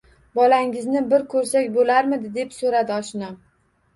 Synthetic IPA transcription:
bɒlaŋɪznɪbɪɾkʰɵɾsakʲbolaɾmɪd̪ɪd̪e̞psoɾad̪ɪɒʃnam

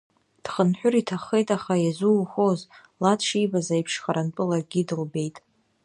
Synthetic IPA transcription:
d̥χənħʷᶣʊritʰaχejtʼaχajazuχoz | latʰʂijbazaipʰʂχaɾant͡pʼɨlarɡʲidɨlbe̞jtʼ

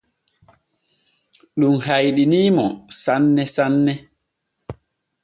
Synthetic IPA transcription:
ɗumɦajɗiniːmɔsanːɛsanːɛ

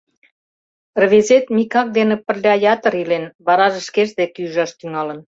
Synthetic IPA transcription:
rβezet̪mikɑk̚d̪enĕpə̆rlʲɑjɑt̪ə̆ɾilenβɑɾɑʒĕʃkeʃd̪ekeyʒɑʃt̪yŋɑlən

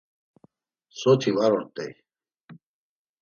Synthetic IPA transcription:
sot̪ʰiwaɾoɾt̪ḛj

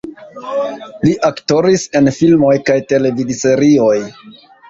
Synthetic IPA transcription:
liʔakto̞ɾise̞nfilmo̞jkajte̞le̞vidise̞ɾio̞j

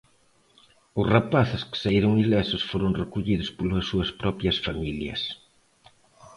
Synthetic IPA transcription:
ʊsrapaθɪskɪ̥saiɾʊŋilɛsʊsfoɾʊŋrekuʎiðʊspolɐsːuɐspɾɔpɾjɐsfamiljɐ̰s

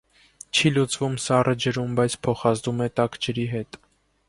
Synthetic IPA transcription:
t͡ʃʰilut͡svumsɑrʔəd͡ʒəɾumbɑjt͡sʰpʰɔχɑzd̪umɛt̪ɑkd͡ʒəɾiɦɛt̪

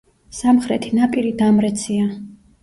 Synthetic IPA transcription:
samχɾɛt̪ʰinapʼiɾid̪amɾɛt̪sʰia

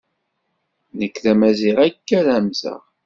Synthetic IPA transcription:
nəkːθæmæziʁækːæɾæmzə̰ʁ

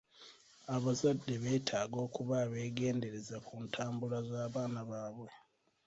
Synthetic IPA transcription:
aβazadːe̞βe̞ːtʰaːɡo̞ːkuβaβe̞ːɡe̞ːnde̞ɾe̞zakuntʰaːmbulazaːβaːnaβaːβwe̞

